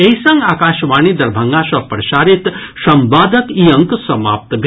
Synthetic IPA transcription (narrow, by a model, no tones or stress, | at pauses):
eisɐ̃ŋɡaːkaːʃʋaːnid̪ɐɾbʱɐŋɡaːʃɐpɾɐʃaːɾit̪ | ʃɐmbaːd̪ɐkiːɐ̃ŋksɐma̰ːp̚t̪bʱ